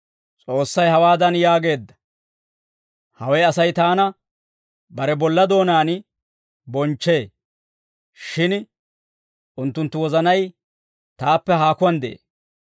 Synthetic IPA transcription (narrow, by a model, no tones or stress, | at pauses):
t͡sʼo̞ːsːɐjhɐwaːd̪ɐnjaːɡe̞ːd̪ːɐ̥ | hɐwɛjɐsɐjt̪aːnɐ | bɐɾɛbɔlːɐd̪o̞ːnaːn | bɔnt͡ʃːe̞ː | ʃɪn | ʔʊnt̪ːʊnt̪ːʊwɔzɐnɐj | t̪aːpːɛɦaːkʊwɐnd̪ɛʔḛː